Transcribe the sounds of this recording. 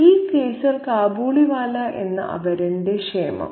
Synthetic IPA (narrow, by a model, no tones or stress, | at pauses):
iːkeːsɐlkaːbuːɭiʋaːlɐʔe̞nːɐ̰ʔɐ̰ʋɐɾindekʂeːmɐ̰